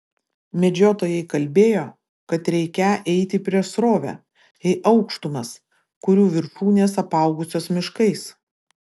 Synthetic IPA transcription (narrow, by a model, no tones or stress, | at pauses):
mʲɛd͡ʒʲoːt̪oːjɛɪkɐlʲbʲeːjoː | kɐt̪ɾʲɛɪkʲɛʔɛɪt̪ʲɪpʲɾʲiɛʃsɾoːʋʲɛ̰ | ɛɪʔɐʊkʃt̪ʊmɐs | kʊɾʲuːʋʲɪɾtuːnʲeːsɐpɑˑʊɡʊsʲoːsmʲɪʃkɐɪs